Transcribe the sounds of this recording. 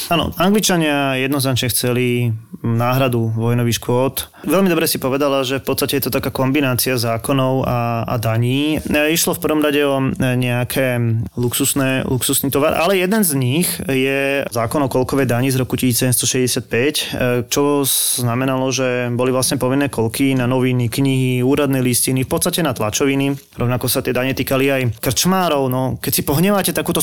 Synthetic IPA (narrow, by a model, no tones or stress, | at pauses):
aːnɔ̰aŋɡlit͡ʃaɲɪajɛd̪nɔznat͡ʃɲɛxt͡sɛlinaːɦɾad̪uʋɔjnɔʋiʃkʊɔt̪ | ʋɛlmid̪ɔbɾɛsipɔʋɛd̪alaʒɛfpɔt̪st̪acɛjɛt̪ɔt̪akaːkɔmbinaːt͡siazaːkɔnɔʊaa̰d̪aɲiːiʃlɔfpr̩ʋɔmɾaɟɛɔɲɛakʰɛluksusnɛluksusniːt̪ɔʋaɾʔa̰lɛjɛd̪ɛnzɲixjɛzaːkɔnɔkɔlkɔʋɛjd̪aɲizɾɔkucisiːt͡ssɛɟɛmst̪ɔʃɛzɟɛsɪat̪̚pɛct͡ʃɔznamɛnalɔʒɛbɔlivʋlasɲɛpɔʋinːɛːkɔlkinanɔʋinikɲiɦiuːɾad̪nɛjliscinifpɔt̪st̪acɛnat̪la̰t͡ʃɔʋiniɾɔʊnakɔsat̪ɪɛd̪aɲɛt̪iːkaliajkr̩t͡ʃmaːɾɔʊnɔkɛcsipɔɦɲɛʋaːcɛt̪akuːt̪ɔ